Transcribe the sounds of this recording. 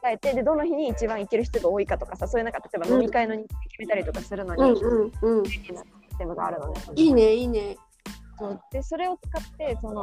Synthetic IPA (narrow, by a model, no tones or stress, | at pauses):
kae̞t̪e̞d̪e̞d̪o̞naçiɲ̟iːt͡ɕibãɰ̃ikeɾɯ̟ç̬i̥t̪oɡao̞ːikat̪o̞kasasoːjɯ̟nakat̪at̪o̞e̞banomʲikaeno̞ɲ̟ĩkiikʲime̞t̪aɾʲit̪o̞kasɨɾɯ̟no̞ɲĩɯ̃ɴɯ̟̃ɴeina | t̪emɯɡa̰a̰ɾɯ̟no̞d̪eiːneiːne | soːd̪̥e̞so̞ɾe̞o̞t͡sɨ̥kat̪ːe̞so̞no̞